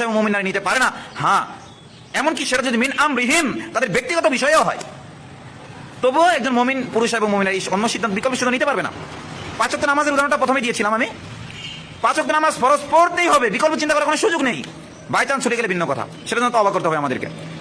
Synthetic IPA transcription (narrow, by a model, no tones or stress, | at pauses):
eboŋmominːaɾinit̪epaɾenahã | ɛmonkiʃeʈad͡ʑod̪ʱiminamɾiɦimt̪ad̪eɾbek̚t̪iɡɔt̪obiʃɔeeoɦɔ̰e | t̪obuoɛk̚d͡ʑonmominpuɾoʃeboŋmominaɾionːoʃid̪ʱant̪obikolpoʃid̪ʱːonit̪epaɾbena̰pat͡ɕok̚t̪onamazeɾud̪ʱaɾonʈapɾɔt̪ʰomejd̪ijet͡ɕʰilamami | pat͡ɕok̚t̪onamazfɔɾospoɾt̪ejɦɔbebikolpot͡ɕint̪akɔɾakonoʃud͡ʑoɡnej | bajt͡ɕant͡ɕʰuʈieɡelebʱinːokɔt̪ʰa̰ | ʃeʈad͡ʑonot̪ɔbakoɾt̪eɦɔbeamad̪ḛɾkḛ